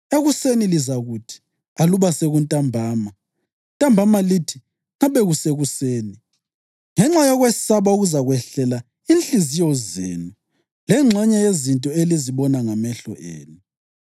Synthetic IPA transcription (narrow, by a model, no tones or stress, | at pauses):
eɣusenilizaɣutʰi̥ | aluβaseɣuntʼambʱaːma | ntʼambʱamalitʰi̥ | ŋaβɛɣuseɣuseːni | ŋɛŋ͡ǁajɔɣwessaβauɣuzaɣwɛɬɛla | inɬizijɔzḛːnu | lɛŋ͡ǁʱɛɲɛjezintʼɔeliziβɔnaŋamɛɬɔ̰ʔḛːnu